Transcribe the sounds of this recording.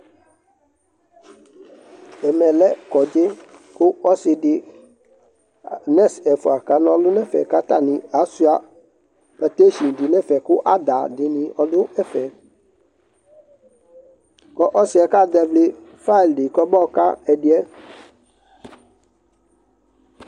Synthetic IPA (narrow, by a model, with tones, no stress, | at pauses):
ɛ˨mɛ˨lɛ˦kɔ˨d͡ʒe˦kʊ˦ɔ˦sɪ˨dɪ˨ | nɛ˦sɛ˨fu˨a˨ka˨nɔ̃˨lʊ˦nɛ˦fɛ̰˨ka˦t̪a˦nɪ̃˨a˨˦su˦a˨ | pɛ˨t̪e˦ʃi˨n˨dɪ˨nɛ̃˦fɛ˨kʊ˦ʔa˦d̪a˨dɪ˨nɪ̃˨ʔɔ˦dʊ˦ɛ˦fɛ˨ | kɔ˦ʔɔ˦sɪ˨˦ɛ˨ka˦d̪ɛ˦vlɪ˦fa˦˨ldɪ˨kɔ˦bɔ˦˨˦ka̰˦ɛ˨dɪ˦ɛ˦